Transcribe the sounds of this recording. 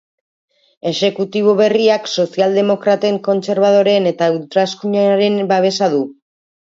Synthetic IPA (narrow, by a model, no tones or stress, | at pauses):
e̞ʃe̞kut̪iβ̞o̞βe̞riakso̞siald̪e̞mo̞kɾat̪e̞ŋko̞nt͡se̞ɾβ̞að̞o̞ɾe̞ːne̞t̪aewt̪ɾaskuɲaɾe̞mbaβ̞e̞saðu